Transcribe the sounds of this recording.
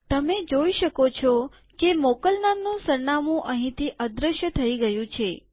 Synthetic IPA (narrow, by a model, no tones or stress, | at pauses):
t̪əmed͡ʒoiʃəkot͡ʃʰɔ | kemɔkəlnamnũsəɾnamũʔəɦĩt̪ʰiʔəd̪ɾəʃjət̪ʰəiɡəjũt͡ʃʰe